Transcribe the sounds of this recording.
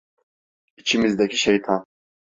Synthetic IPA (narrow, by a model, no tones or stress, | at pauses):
it͡ʃʰimizd̪ɛkʲʰiʃɛjt̪ʰɑn